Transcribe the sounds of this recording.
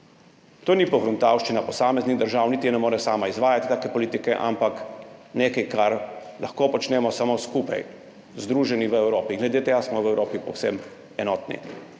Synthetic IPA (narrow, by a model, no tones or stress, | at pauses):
t̪oːnipɔxɾunt̪awʃt͡ʃinapɔsaːmɛzniɣd̪əɾʒawnit̪ijɛnɛmoːɾɛsaːmaizʋaːjat̪i̥t̪aːkɛpɔliːt̪ikɛ̰ʔa̰mpakneːkajkaɾ | lʔaxkoːpɔt͡ʃnɛːmɔsamoskuːpa̰j | zd̪ɾuːʒɛniʋəɛwɾoːpiŋɡlɛd̪eːt̪eːɡasmɔʋɛwɾoːpipɔ̰wsɛ̰m | ɛnɔːt̪nḭ